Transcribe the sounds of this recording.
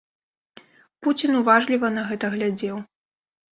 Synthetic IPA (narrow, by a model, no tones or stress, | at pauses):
put͡sʲinuvaʐlʲivɐn̪ɐɣɛt̪ɐɣlʲad͡zʲɛw